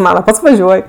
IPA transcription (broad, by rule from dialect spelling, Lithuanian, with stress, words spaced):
ˈmɑːnɐ ˈpɐts ʋɐˈʒʲuɔj